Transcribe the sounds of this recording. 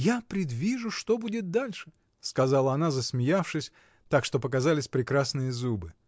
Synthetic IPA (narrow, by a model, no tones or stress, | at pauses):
japɾʲɪd̪vʲiʐʊʂt̪o̞budʲɪt̪̚d̪alʲʂɨ̥ | skɐzalˠəɐnazəsmʲɪjafʂɨsʲ | t̪akʂt̪o̞pəkazalʲɪsʲpɾʲɪkɾasnɨjəzubɨ